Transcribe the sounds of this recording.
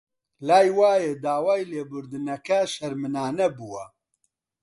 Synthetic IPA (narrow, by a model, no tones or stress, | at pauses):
laːjwaːjed̪aːwaːjleːbʊɾd̪ɨnɛkɛʃɛɾmɨnaːnɛbuwɐ